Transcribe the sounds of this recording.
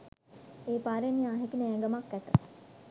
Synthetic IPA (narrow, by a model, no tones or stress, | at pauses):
eːpaːɾeniaːɦekineẽɡəmakːæt̪ə